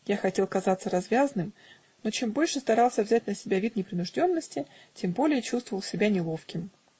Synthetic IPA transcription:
jaxɐtʲe̞lˠkɐzat̪səɾɐzvʲazənɨm | no̞t͡ɕe̞mbo̞lʲʂɨst̪ɐɾɑlˠsʲəvzʲæt̚ʲnəsʲɪbʲavʲit̪nʲɪpɾʲɪnʊʐdʲo̞nːəsʲtʲɪ | tʲe̞mbo̞lʲɪjət͡ɕust̪vəvəlˠsʲɪbʲanʲɪlˠo̞fkʲɪm

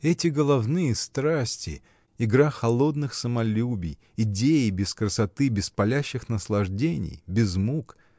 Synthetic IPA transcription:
ɛtʲɪɡəlˠɐvnɨjəst̪ɾasʲtʲɪ | ɪɡɾaxɐlˠo̞d̪nɨxsəmɐlʲubʲɪj | ɪdʲejɪbʲɪskɾəsɐt̪ɨbʲɪspɐlʲæɕːɪxnəslˠɐʐdʲenʲɪ̰jbʲɪzmuk

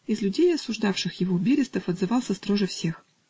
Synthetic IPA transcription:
ɪzlʲʊdʲejɐsʊʐd̪afʂɨxjɪvobʲiɾʲɪst̪əfɐd̪zɨvɑlˠsʲəst̪ɾoʐɨfsʲe̞x

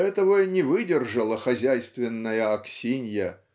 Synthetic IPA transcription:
ɛt̪əvənʲɪvɨdʲɪrʐəlˠəxɐzʲæjst̪vʲɪnːəjəɐksʲinʲjə

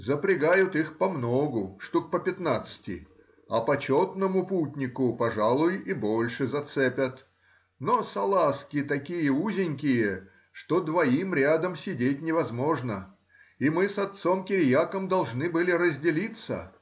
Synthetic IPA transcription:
zəpɾʲɪɡajʊt̪ixpɐmno̞ɡʊʂt̪uk̚pəpʲɪt̪nat̪sɨ̥tʲɪ̰ | ɐpɐt͡ɕot̪nəmʊputʲnʲɪkʊpɐʐalˠʊjibo̞lʲʂɨzɐt̪sɛpʲət̪ | nosɐlˠaskʲɪt̪ɐkʲijəuzʲɪnʲkʲɪjə | ʂt̪od̪vɐimɾʲad̪əmsʲɪdʲet̚ʲnʲɪvɐzmo̞ʐnə | imɨsɐt̪so̞mkʲɪɾʲjakəmd̪ɐlˠʐnɨbɨlʲɪɾəzʲdʲɪlʲit̪sə̰

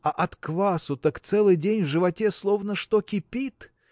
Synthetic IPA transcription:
ɐʔɐt̪kvasʊt̪əkt̪sɛlˠɨjdʲenʲvʐɨvɐtʲeslˠo̞vnəʂt̪okʲɪpʲit̪

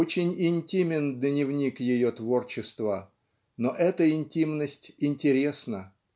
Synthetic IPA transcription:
ot͡ɕɪnʲɪnʲtʲimʲɪnd̪nʲɪvnʲikjɪjot̪vo̞rt͡ɕɪst̪və | noʔɛt̪əɪnʲtʲimnəsʲtʲɪnʲtʲɪɾʲe̞snə

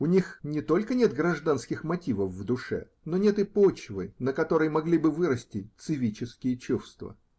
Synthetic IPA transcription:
ʊnʲixnʲɪt̪o̞lʲkənʲe̞t̪̚ɡɾɐʐd̪anskʲɪxmɐtʲivəfːd̪ʊʂɛ̰ | no̞nʲe̞t̪ɨpot͡ɕvɨ̰nəkɐt̪o̞ɾəjmɐɡlʲibɨvɨɾəsʲtʲɪt̪sɨvʲit͡ɕɪskʲɪjət͡ɕufst̪və̰

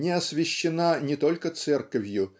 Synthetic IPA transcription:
nʲɪɐsvʲɪɕːɪnanʲɪt̪o̞lʲkət̪sɛrkəvʲjʊ

